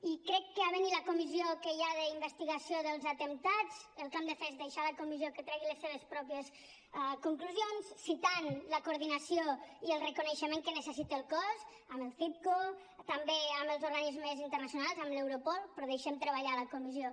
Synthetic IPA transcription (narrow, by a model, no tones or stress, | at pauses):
ikɾɛkːəaβəniləkumiziokəjaðəimbəst̪iɣasioðəlˠzat̪ənt̪ad͡zəlˠkamd̪əfɛzd̪əjʃaləkumizjokət̪ɾɛɣiləsːeβəspɾɔpjəs | kuŋkluzionssit̪anləkuɾðinəsioiəlˠrəkunəʃəmẽŋkənəsəsit̪əːlˠkɔz | əməlˠθip̚ko | t̪əmbeəməlˠzouɾɣanizmezint̪əɾrnəsjunalˠzəmlewɾupɔlˠpɾɔðəjʃemt̪ɾəβaʎaləkumizio